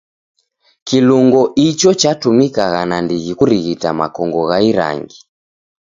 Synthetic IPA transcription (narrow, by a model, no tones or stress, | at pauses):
kiluŋɡɔʔit͡ʃɔt͡ʃatumikaɣanandiɣikuɾiɣitama̰kɔŋɡɔɣaiɾa̰ŋɡi